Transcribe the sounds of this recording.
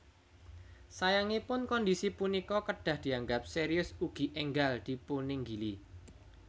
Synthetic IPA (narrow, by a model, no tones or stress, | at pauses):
sajaŋipʊnkɔnd̪isipunikɔkəɖ̥a̤hd̪̥i̤aŋɡap̚seɾiʊsuɡ̥i̤ʔɛŋɡald̪̥i̤punɪŋɡili